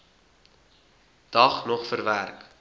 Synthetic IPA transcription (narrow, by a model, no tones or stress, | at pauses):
d̥ɐχnɔχfərværk